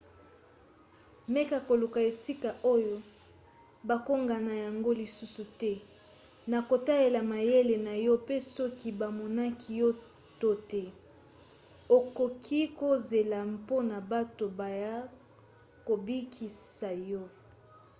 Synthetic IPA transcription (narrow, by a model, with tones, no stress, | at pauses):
me˦ka˨ko˨lu˨ka˨e˨si˦ka˨ʔo˦jo˦ | ba˨ko˦ŋɡa˨na˨ja˨ŋɡo˦li˨su˦su˨tɛ˦ | na˨ko˨ta˦le˨la˨ma˨je˦le˨na˨jɔ˦pe˦sɔ˦ki˦ba˨mɔ˨na˦kʰi˨jɔ˦ | to˦te˨ | o˨ko˨kʰi˦ko˦ze˨la˨mpo˦na˨ba˦to˨ba˨ja˦ | ko˨bi˦kʰi˨sa˨jɔ˦